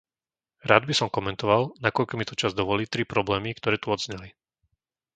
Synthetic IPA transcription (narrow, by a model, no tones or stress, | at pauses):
ɾaːd̪bisɔmkɔmɛnt̪ɔʋalnakɔʎkɔmit̪ɔt͡ʃazd̪ɔʋɔliːt̪ɾipɾɔblɛːmikt̪ɔɾɛːt̪uɔd̪zɲɛli